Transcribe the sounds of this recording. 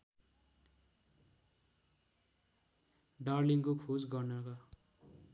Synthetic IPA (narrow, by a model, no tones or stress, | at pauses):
ɖarliŋkokʰosɡʌrnʌkʌ